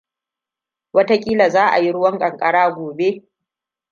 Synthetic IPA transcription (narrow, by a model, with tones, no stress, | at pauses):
wɐ˦ta˦kʲʼiː˦la˨zaː˦ʔa̰˨ji˦ɽʊ˦wɐ˦ŋkʼɐ˨ŋkʼɐ˦ɽaː˦ɡʷoː˨be˦